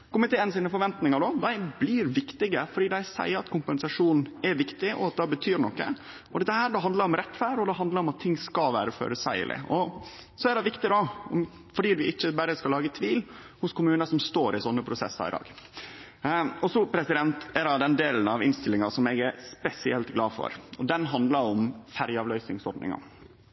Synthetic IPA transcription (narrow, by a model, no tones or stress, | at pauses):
kʰɔmət̪ɪlɛːnsiːnəfɔɾʋɛnt̪nɪŋɑɖoːd̪æɪblɪːɾʋɪkt̪ɪɡəfɔɖiːd̪æɪsæ̰ɪəɾɑt̪kʰʊmpɛnsɑʂuːnn̩ɛʋɪkt̪ɪʔɔ̰ɑt̪̚d̪ɑbət̪ʰyːɾnɔkːə̰ | ɔd̪ɛt̪ːəhæːɖɛɦɑnd̪ləɾɔmɾɛt̪ːfæːɖɔd̪ɛɦɑnd̪ləɾɔmɑt̪ʰːɪŋːskɑlʋæːɾəfø̰ːɾəsæ̰ɪə̰lʔɪ̰ʔɔ | sɔɛd̪ɛʋɪkt̪ɪd̪ɑɔm | fɔɖiːd̪ʉʔɪt͡ʃːəbæɾəskɑlːɑːɡət̪ʰʋiːl | hʊskʰʊmʉːnəʂɔmst̪oːɾɪsɔnːəpʰɾʊsɛ̰sːɑ̰ɾɪ̰d̪ɑ̰ːɡ | ɔsɔpʰɾɛsɪd̪ɛnt̪ɛɾɑd̪ɛnd̪eːln̩ɑʋɪnst̪ɪlːɪŋɑsɔmɛɡæɾspɛsɪɛlt̪ɡlɑːfɔ̰ɾɔd̪ɛnɦɑnd̪lɑɾɔmfæɾjəɑːʋlœʏsnɪŋsɔɾɖ̪nɪ̰ŋɑ̰